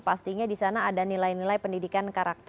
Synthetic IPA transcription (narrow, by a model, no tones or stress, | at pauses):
past̪iɲadisanaːdanilajnilajpəndidikankaɾak̚t̪